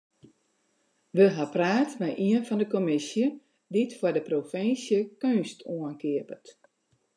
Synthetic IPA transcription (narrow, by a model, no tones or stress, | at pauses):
ʋəɦapraːtmɛjʔiənfɔndəkomɪsjə | ditfɔrdəprofɪnsjəkønstʰoənkiəpət